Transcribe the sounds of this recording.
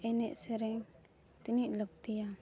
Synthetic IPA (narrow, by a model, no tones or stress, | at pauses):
ɛnɛʔsɛɾɛŋ | t̪iniʔlək̚t̪ija